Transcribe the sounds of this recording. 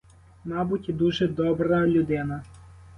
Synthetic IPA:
mɑbutʲid̪uʒɛd̪ɔbɾɐlʲʊd̪ɪnɐ

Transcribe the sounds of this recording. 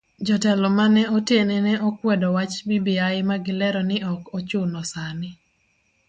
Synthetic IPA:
d͡ʒɔtɛlɔmanɛɔtjenɛnɛʔɔkwɛdɔwat͡ʃbibiaɪmaɡɪlɛɾɔnɪɔkɔt͡ʃʊnɔsanɪ

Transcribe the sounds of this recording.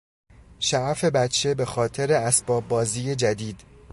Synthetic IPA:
ʃæʔfe̞bæt̪t͡ʃʰe̞be̞xɒːt̪ʰe̞ɾeæsb̥ɒːbːɒːziːje̞d͡ʒæd̪iːd̪̥

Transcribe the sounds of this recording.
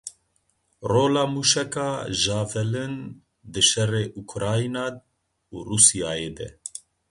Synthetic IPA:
roːlaːmuːʃɛkɑːʒɑːvɛlɨn | d̪ɨʃɛreːʔukʰɾaːinaː | uːrusijaːjeːd̪ɛ̰

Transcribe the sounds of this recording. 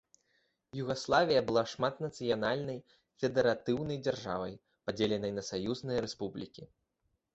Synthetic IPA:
juɣaslˠavʲijɐbɨlˠaʂmat̪nɐt̪sɨjanalʲnɐj | fʲɛd̪ɛɾat̪ɨwnɐjd͡zʲarʐa̰vɐj | pad͡zʲelʲɛnɐjnɐsajuznɨjɐɾɛspublʲikʲi

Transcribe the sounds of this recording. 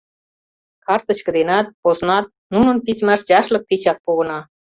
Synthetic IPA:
kɑrt̪ɤ̆t͡ɕkə̆d̪enæt̪̚poz̆nɑt̪̚ | nunə̆npizmæʃd͡ʑɑʃlɤ̆k̚t̪it͡ɕɑt̪̚poɣɤ̆nɑ

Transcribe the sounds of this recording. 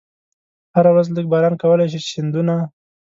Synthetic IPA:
haɾawɾazlək̚bɑɾɑnkawəlajʃ̬iɪnd̪una

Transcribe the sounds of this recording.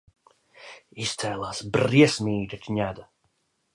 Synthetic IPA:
ist̪sɛːlˠaːsbriɛsmʲiːd̪ʲat̪ʰʲɲʲæd̪a

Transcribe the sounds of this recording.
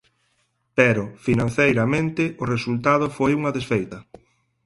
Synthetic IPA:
pɛɾʊfinãnθejɾɐmẽnt̪ɪʔʊresult̪að̞ʊfojuŋɐðesfejt̪ɐ

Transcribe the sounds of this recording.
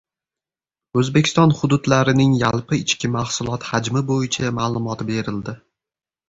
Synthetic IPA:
ɵzbekʲʰɪ̥st̪ɒnhʊd̪ʊd̪laɾɪnɪŋjalˠpɪɪt͡ʃkʲɪmahsʊlˠɒt̪had͡ʒmɪbojɪt͡ʃʰamaːlˠʊmɒt̪be̞ɾɪld̪ɪ

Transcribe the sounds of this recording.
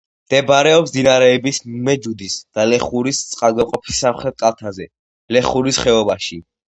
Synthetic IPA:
md̪̥ɛbaɾɛɔps̬d̪inaɾɛːbismmɛd͡ʒud̪isd̪̥alɛχuɾist̪sʼqʼalˠɡaqʼɔpʰi̥sːamχɾɛt̪̚kʼalˠt̪ʰazɛ | lɛχuɾisχɛɔbaʃi

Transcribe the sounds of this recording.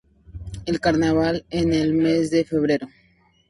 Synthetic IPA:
elkaɾnaβalenelme̞zd̪e̞fe̞βɾe̞ɾo

